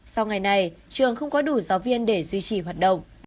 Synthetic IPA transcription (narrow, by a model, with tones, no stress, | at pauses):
sa˧wŋ͡mŋa˨˩jna˧jt͡ɕɨ˨əŋxə˧wŋ͡mkɔ˨˦ɗu˧˩zaː˨˦wvi˧ənɗe˧˩zwi˧t͡ɕi˧˩ɦwaː˨˩t̚ɗə̰˧˨wŋ͡m